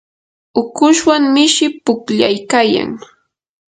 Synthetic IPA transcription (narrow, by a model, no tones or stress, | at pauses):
ʊkʊʃwaŋmɪʃɪpʊkʎajkaja̰ŋ